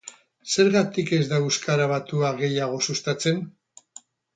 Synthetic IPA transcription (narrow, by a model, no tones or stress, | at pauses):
se̞ɾɣat̪ike̞zd̪aeskaɾaβ̞at̪uaɣe̞jaɣ̞o̞sust̪at͡se̞n